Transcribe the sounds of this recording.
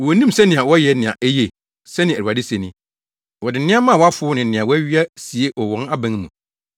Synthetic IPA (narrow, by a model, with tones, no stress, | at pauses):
wɔ˨nĩ˦msɛ˦nɪ̃˨ã˨wɔ˦jɛ˨nɪ̃˨ã̰˨ʔæ˦je˨ | sɛ˦nɪ̃˨æ˨a˨dɪ˦se˨nĩ˦ | wɔ˨dɪ˨nɪ̃˦ã˦mã˦˨wɔ˦a˦fʊ˦nɪ̃˨nɪ̃˨ã˨wɔ˦æ˦ɥi˦a˦si˨e˦ʔɔ˨wɔ̃˦na˦bæ̃˨˦n˦mũ˨